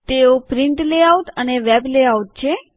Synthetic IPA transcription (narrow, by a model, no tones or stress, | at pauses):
t̪eopɾɪɳʈleaut̪əneʋɛbleaut̪̚t͡ʃʰe